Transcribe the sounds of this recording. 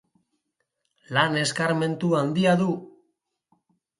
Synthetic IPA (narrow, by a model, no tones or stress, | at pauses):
lane̞skaɾme̞nt̪uand̪iaðu